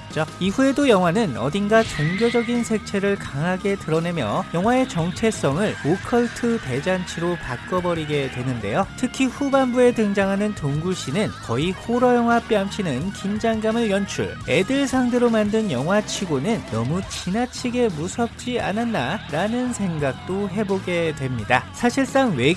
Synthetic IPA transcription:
t͡ɕ͈oiɸue̞dojʌŋwanɯnʌ̰dinɡat͡ɕoŋɡjod͡ʑʌɡinsʰe̞k̚t͡ɕʰe̞ɾɯɭkaŋɦaɡe̞tɯɾʌne̞mjʌ̰jʌŋwae̞t͡ɕʌŋt͡ɕʰe̞s͈ʌŋɯɭokʰʌɭtʰɯte̞d͡ʑant͡ɕʰiɾopak͈ʌbʌɾiɡe̞dwe̞nɯnde̞jotʰɯkʰiɸubambue̞tɯŋd͡ʑaŋɦanɯntoŋɡuɭɕ͈inɯnkʌihoɾʌjʌŋwap͈iamt͡ɕʰinɯnkind͡ʑaŋɡamɯɭjʌnt͡ɕʰṵɭe̞dɯɭsʰaŋdɯɾomandɯnjʌŋɦwat͡ɕʰiɡonɯnːʌmut͡ɕinat͡ɕʰiɡe̞musʰʌp̚t͡ɕ͈ia̰nanːaɾanɯnsʰe̞ŋɡak̚t͈oɦe̞boɡe̞dwe̞mɲidasʰaɕʰiɭs͈aŋwe̞

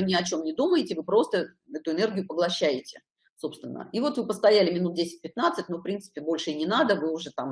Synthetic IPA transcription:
ɨmnʲɪɐt͡ɕo̞mnʲɪd̪uməjɪtʲɪvɨpɾo̞st̪ə | ɛt̪ʊɪnɛrɡʲɪjʊpəɡlˠɐɕːæjɪtʲɪ̥ | so̞pst̪vʲɪnːə̰ivo̞t̪vɨpəst̪ɐjælʲɪmʲɪnut̪̚dʲesʲɪ̥t̚ʲpʲɪt̪nat̪sɨt̚ʲnofpɾʲint̪sɨ̥pʲɪbo̞lʲʂɨinʲɪnad̪əvɨʊʐɛt̪am

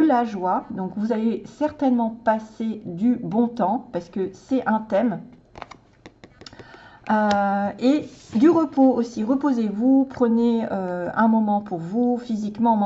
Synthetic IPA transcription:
laʒwad̪ɔ̃kvuzavesɛʁt̪ɛnmɑ̃pased̪ybɔ̃t̪ɑ̃paʁsə̥kəsɛɛ̃t̪ɛm | øed̪yʁəpoosiʁəpozevupχəneøɛ̃mɔmɑ̃puʁvufizikmɑ̃m

